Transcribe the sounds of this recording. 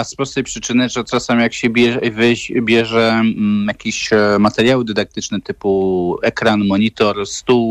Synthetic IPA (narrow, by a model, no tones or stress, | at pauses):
aspɾɔst̪ɛjpʂɘt͡ʂɘnɘʐɛt͡ʂasamʲijakɕɛbʲɛvɛbʲjɛʐɛjakʲiɕmat̪ɛɾʲjawɘd̪ɛd̪ak̚t̪ɘt͡ʂnɛt̪ɘpuʔɛkɾanmɔɲit̪ɔɾst̪uw